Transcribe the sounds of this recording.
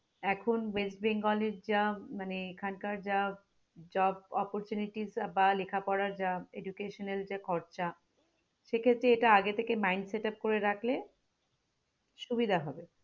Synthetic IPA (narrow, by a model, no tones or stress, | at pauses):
ɛkʰonwesʈbeŋɡɔleɾd͡ʑamaneekʰankaɾd͡ʑa | d͡ʑɔbɔpoɾt͡ɕuniʈizbalekʰapɔɾaɾd͡ʑaedukeʃoneld͡ʑakʰɔɾt͡ɕa | ʃekʰet̪ːɾeeʈaaɡet̪ʰekemajɳɖseʈap̚koɾeɾakʰle | ʃubid̪ʱaɦɔbe